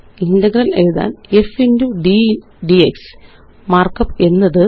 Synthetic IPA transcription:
indɐɡɾɐnejuða̰ːne̞finduɖi | ɖieks | maːrkɐpːe̞nːɐðɨ

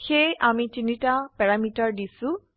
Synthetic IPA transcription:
xejʔamitinitapɛɹamitaɹdisʊ̃

